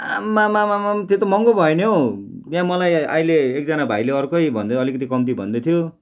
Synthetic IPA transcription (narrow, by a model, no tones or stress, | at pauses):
amːamamamamt̪et̪omʌŋɡobʱʌenjow | t̪jãmʌlaja̰ileːk̚d͡zanabʱajleʌrkʌjbʱʌnd̪eʌlikʌt̪ikʌmt̪̬ibʱʌnd̪et̪ʰijo